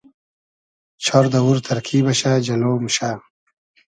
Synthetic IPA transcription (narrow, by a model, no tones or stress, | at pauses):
t͡ɕʰɔɾd̪ɐwuɾt̪ʰɐɾkʰiːbɐɕaːd͡ʑɐloːmuɕaː